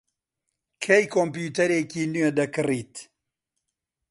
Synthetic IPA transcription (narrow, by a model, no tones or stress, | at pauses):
kʰejkʰoːmpjuːt̪ɐɾeːkiːnɥed̪ɐkɨriːt̪